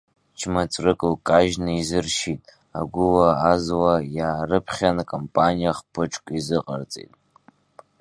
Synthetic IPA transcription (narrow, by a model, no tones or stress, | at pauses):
t͡ʃʰmat͡sʷʼrɨkʼɨlkʼaʒnɨizɨrʃitʼ | a̰ɡʷʊlaazwajaːrɨpʰχʲanakʼompʼanijaχpʰɨʈ͡ʂʰkʷʼizɨqʼa̰rt͡sʼḛtʼ